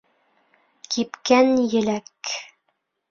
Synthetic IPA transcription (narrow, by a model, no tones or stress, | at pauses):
kʰipkænjɘ̆læk